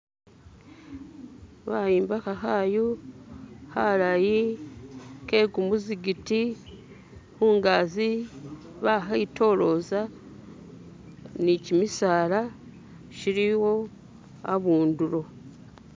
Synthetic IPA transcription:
βajiːmbakaɦaːjo | haɾaji | ke̞ːɡumuziɡiti | huːŋɡaːzi | βaɦaito̞ɾo̞ːza | nicimisaːɾa | ʃiɾiwo̞ | a̰βuːnduɾo̞

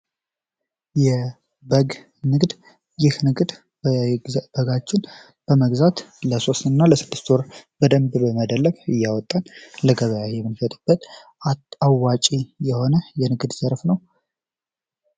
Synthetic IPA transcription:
jɛ | bəɡ | nɨɡd̪ | jɪhnɨɡd̪ | b̥əɡat͡ʃːɪn | b̥əməɡzat̪ləso̞st̪ɨnːaləsɨd̪ːɨst̪oɾbəd̪əmbbəməd̪əlːəβɨjːawɔt̪ʼːanləɡəβəjajɛmːɨnfət̪ʼub̥ːət̪ | aawːat͡ʃʼijɛho̞nəjɛnɨɡd̪zəɾfnəw

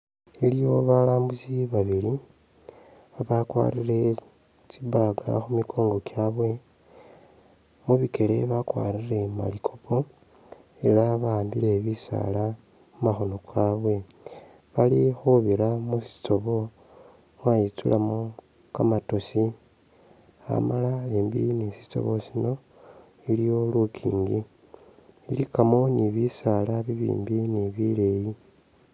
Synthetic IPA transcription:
ilijo̞βalaːmbusiβaβili | aβakwa̰rire̞ | t͡ʃibaɡa̰xumikʰo̞ːŋɡo̞kjaːβwe̞ | muβike̞le̞βakwa̰ːrire̞ma̰likʰopʰo̞ | elaβaːmbile̞βisa̰la | mumaxo̞nokʰaβwe̞ | βalixuβiɾamusi̥t͡so̞βo̞ | wajit͡sulamo | kamato̞si | a̰malae̞mbḭnisi̥t͡so̞̰βosino̞ | ilijo̞lukʰḭːŋɡi | ilikamo̞niβisalaβiβḭːmbiniβile̞ji

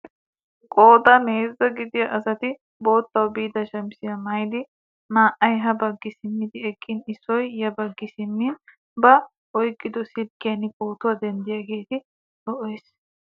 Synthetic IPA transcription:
kʼoːd̪ɐneːɾzɐɡɪd̪ɪjɐʔɐsɐt̪ɪ | bo̞ːt̪ːɐwbiːd̪ɐʃɐmsɪjɐmɐjd̪ɪ | maːʔɐjɦɐbɐɡːɪsɪmːɪd̪ɪɛkʼːɪnɪsːɔjːɐbɐɡːɪsɪmːɪn | bɐ | ɔjkʼːɪd̪ɔsɪlkːɪjɐnɪkʼoːt̪ʊwɐd̪ɛnd̪ɪjaːɡe̞ːt̪ɪ | dɔʔɔjs

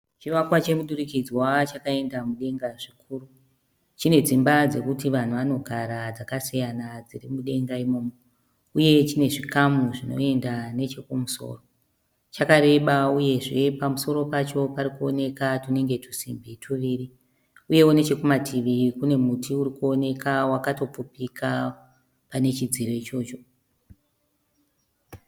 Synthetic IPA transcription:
t͡ʃiʋakwat͡ʃe̞muɗuɾikid͡zwat͡ʃakae̞ndamuɗe̞ŋɡaʐikʰuːru | t͡ʃine̞d͡zimbad͡ze̞kutiʋan̤uʋano̞ɡʱaɾad͡zakasijanad͡zirimuɗe̞ŋɡaimo̞ːmo | uje̞t͡ʃine̞ʐikamuʐino̞̰e̞ndane̞t͡ʃe̞kumuso̰ːro̞ | t͡ʃakaɾe̞ɓauje̞ʐe̞pamuso̞ɾo̞pat͡ʃo̞paɾikuo̞ne̞katune̞ŋɡe̞tu̥sḭmbitʰuʋiːɾi | uje̞wone̞t͡ʃe̞kumatʰiʋikune̞mutʰiuɾikuone̞kawakato̞pp͡fupika | pane̞t͡ʃid͡ziɾo̞it͡ʃo̞ːt͡ʃo̞

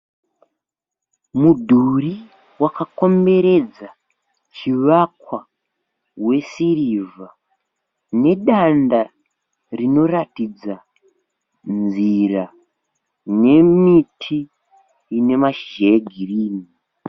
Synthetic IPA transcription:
mudʱuri | wakako̞mbe̞ɾe̞d͡za | t͡ʃiʋakwa | we̞siriva | ne̞ɗanda | rino̞ratid͡za | nd͡zira | ne̞mitʰiː | ne̞maʃe̞ɡʱiriːni

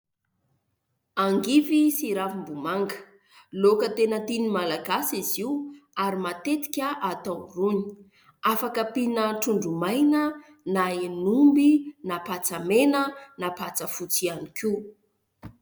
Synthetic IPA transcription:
aŋɡivisiɾavimbumaŋɡə̥ | lokət̪enət̪inimalaɡasiziwaɾimat̪et̪i̥kʲəʔat̪awruni̥ | afakəpinəʈ͡ʂuɳɖ͡ʐumajnə | naenumbinapat͡samenənapat͡səfut͡sianiku

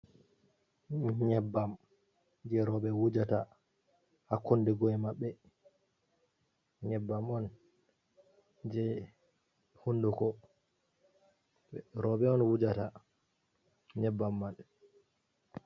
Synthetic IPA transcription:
ɲɛbːam | d͡ʒɛɾɔbɛwud͡ʒata | hakːondɛɡɔɛmaɓːɛ | ɲɛbːamɔn | d͡ʒɛ | hundukɔ | ɛɾɔbɛɔnwud͡ʒata | ɲɛbːamːan

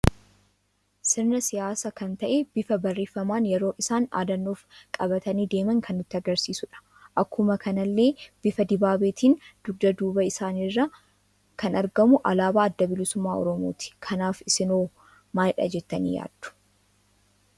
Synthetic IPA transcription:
sɪɾnɐsɪjaːsɐkɐnt̪ɐʔeb̥ɪfɐbɐrːeːfɐmaːnjɛɾo̞ːʔɪsaːna̰ːd̪ɐnːoːfkʼɐbɐt̪ɐniːd̪eːmɐŋkʰɐnːʊt̪ːɪɐɡɐɾsiːsʊᶑɐ̥ | ʔɐkːʊmɐkʰɐnɐlːe̞ːb̥ɪfɐd̪ɪbaːbeːt̪ʰiːnd̪̥ʊd̪ɐd̪uːbɐɪsaːnɪrːɐ | kʰɐnɐɾɡɐmʊʔɐlaːbaːɐd̪ːɐbɪlɪsʊmːaːɔ̰ɾɔmo̰ːt̪ɪ̥kʰɐnaːfɪsɪnoː | maːjᶑɐ̰d͡ʒɛt̪ːɐnḭːja̰ːd̪̥ːʊ̥

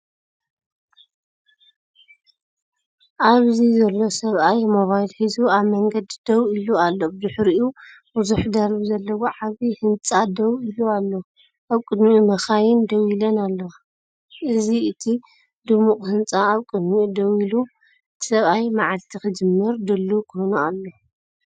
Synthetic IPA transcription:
ʔaβzizɐlːo̞sɐβʔajmo̞βajlħizuaβmɐŋɡɐd̪d̪̥ɐwilualːozɨħɾiʔu | buzuħd̪ɐɾβizɐlːɐwoʕaβihɨnt͡sʼad̪ɐwilualːo | ʔaβkʼɨd̪mimɐxajɪnd̪ɐwilɐnalːɐwa | ʔɨziɨt̪ʰi | d̪̥ɨmuqʼhɨnt͡sʼaːβkʼɨd̪mid̪ɐwilu | ɨt̪ʰi̥sɐβajmaʕalt̪ʰixɨd͡ʒɨmːɨɾd̪ɨlːukhonualːo

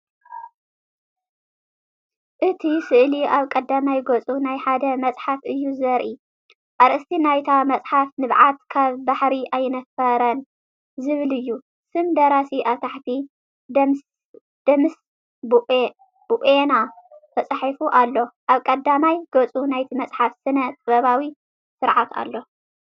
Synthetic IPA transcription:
ʔɨt̪ʰisɨʔliʔaβkʼɐd̪ːamajɡɐt͡sʼunajħad̪ɐmɐt͡sʼħafɨjːuzɐɾʔi | ʔaɾʔɨst̪ʰinajt̪ʰamɐt͡sʼħafnɨβʕat̪kʰaβbaħɾiʔajnɐfɐɾɐn | zɨβɨlɨjːu | sɨmd̪ɐɾasiʔaβt̪ʰaħt̪ʰi | d̪ɐms | d̪̥ɐms | bʔ | b̥uʔenat̪ʰɐt͡sʼħifuʔalːo̞ʔaβkʼɐd̪amajɡot͡sʼunajt̪ʰimɐt͡sʼħafsɨnɐt̪ʼɨβɐβawi | sɨɾʕat̪a̰lːo̞

